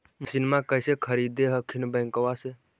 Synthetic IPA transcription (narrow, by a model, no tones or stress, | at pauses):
sɪnmakəɪsekʰəɾiːd̪eɦəkʰinbə̃ːŋkəʋase